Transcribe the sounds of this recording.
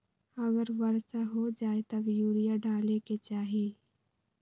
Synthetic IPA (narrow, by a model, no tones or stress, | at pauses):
ɐɡəɾbəɾsaɦod͡ʒaːet̪ɐbjuːlijaɖaːleket͡ʃaːɦieː